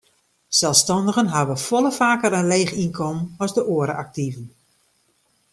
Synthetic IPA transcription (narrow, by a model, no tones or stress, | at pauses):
sɛlˠfstɑndəɣənɦavəfoləfaːkəɾənleːxinkʰɔmənɔzdəʔoəɾəʔak̚tivən